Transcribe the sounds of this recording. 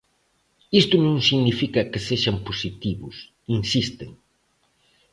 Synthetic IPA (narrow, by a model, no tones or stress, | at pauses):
ist̪ʊnõŋsiɣnifikɐkeseʃamposit̪iβʊs | insist̪ḛŋ